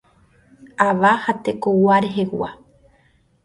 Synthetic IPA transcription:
aʋahat̪ekowaɾeɦewʷa

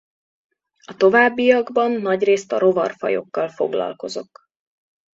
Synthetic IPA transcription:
ɒt̪o̞vaːbːijɒɡbɒnːɒɟreːst̪ɒɾo̞vɒ̰rfɒ̰jo̞̰kːɒlfo̞̰ɡlɒ̰lko̞zo̞k

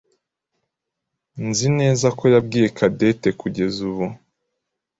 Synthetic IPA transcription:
nzine̞ːzako̞jabɡiːje̞kʰade̞te̞kuɟe̞zuβu

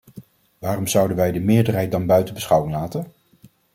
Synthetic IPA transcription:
ʋaːrɔmz̥ʌwdənʋɛjdəmɪːɹdəɹɦɛjt̚dɑnbœɥtəbəsχʌwɪŋlaːtən

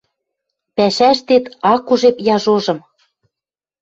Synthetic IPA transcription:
pæʃæʃt̪et̪ɑkuʒepjɑʒoʒɤ̆m

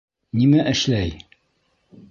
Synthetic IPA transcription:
nimæʔɘ̆ʃlæj

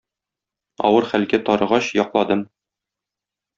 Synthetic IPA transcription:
ɒ̰wɤɾχælɡæt̪ɒɾɤ̆ʁɑɕjɒqlˠɑd̪ɤm

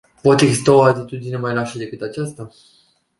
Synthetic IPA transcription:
po̞t̪e̞ɡzist̪ao̞at̪it̪ud̪ine̞majlaʃəd̪e̞kɨt̪at͡ʃast̪a

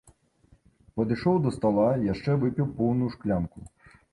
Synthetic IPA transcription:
pɐd̪ɨʂɔwd̪ɐst̪alˠajaʂt͡ʂɛvɨpʲiwpɔwnujuʂklʲamku

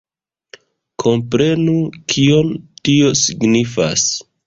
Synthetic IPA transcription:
kʰo̞mpɾe̞nukʰio̞ntio̞siɡnifa̰s

